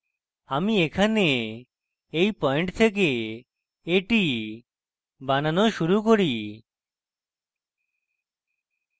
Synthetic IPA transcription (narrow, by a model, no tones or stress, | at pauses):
amiekʰane | ejpɔeɳʈt̪ʰek̬e | eʈi | bananoʃuɾukoɾi